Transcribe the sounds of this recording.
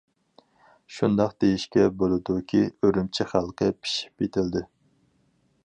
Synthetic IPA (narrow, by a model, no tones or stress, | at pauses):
ʃund̪ɑqd̪ejiʃkʲɛbolˠɨd̪ukʲʰiøɾymt͡ʃʰiχælˠqʰəpʰi̥ʃi̥pet̪ʰɪld̪ɪ